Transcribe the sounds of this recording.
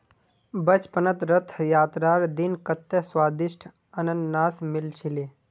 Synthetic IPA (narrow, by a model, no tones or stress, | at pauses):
bɐt͡ʃpənət̪ɾɐt̪ʰːjaːt̪ɾaːɾd̪inkɐt̪ːəswaːd̪iʃʈʰ | ɐnənnaːsmilt͡ʃʰileː